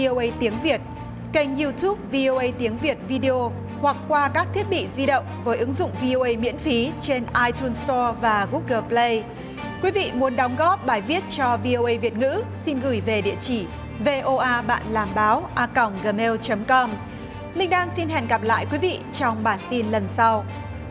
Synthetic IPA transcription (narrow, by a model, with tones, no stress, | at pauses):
o˧ʔə˧jt̪i˨˦əŋvi˨˩ət̚ | ka˧jŋ̟ji˧t̪ʰu˦˥p̚vi˧ʔo˧ʔə˧jt̪i˨˦əŋvi˨˩ət̚vi˧ɗi˧ʔo˧ | hwa˨˩k̚kwaː˧kaː˦˥k̚t̪ʰi˦˥ət̚ɓḭ˧˨zi˧ɗə̰˧˨wŋ͡mvəː˨˦jʔɨ˨˦ŋzʊ̰˧˨ŋ͡mvi˧ʔo˧ʔə˧jmḭ˧˥ənfi˨˦t͡ɕe˧nʔaː˧jt̪ʰu˧nst̪ɔ˧vaː˨˩ɣu˦˥k̚ɣəː˧˩ple˧j | kwi˨˦vḭ˧˨mu˨˦ənɗɔ˨˦wŋ͡mɣɔ˦˥p̚ɓaː˨˩jvi˦˥ət̚t͡ɕɔ˧vi˧ʔo˧ʔə˧jvi˨˩ət̚ŋɨ̰˧˥si˧nɣɨ˧˩jve˨˩ɗḭ˧˨ət͡ɕi˧˩ | ve˧ʔo˧ʔaː˧ɓa̰ː˧˨nlaː˨˩mɓaː˨˦wʔaː˧kə˨˧˩wŋ͡mɣəː˧˩me˧wt͡ɕə˨˦mkɔ˧m | lï˧ŋ̟ɗaː˧nsi˧nɦɛ˧˩nɣə˨˧˩p̚la̰ː˧˨jkwi˨˦vḭ˧˨t͡ɕɔ˧wŋ͡mɓaː˧˩nt̪i˧nlə˨˩nsa˧w